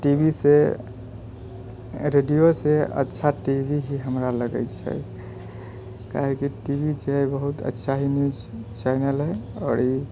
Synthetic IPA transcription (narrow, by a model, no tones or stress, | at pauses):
ʈibʱise | ɾeɖijoseə̰tːʃʰaʈibʱiɦiɦəmɾaləɡə̰jt͡ʃʰɛ̰ | ka̰ɦɛkiʈibʱid͡ʒebəɦut̪ə̰tːʃʰaɦinjud͡ʒt͡ʃaɪnəlɦɛɔːɾi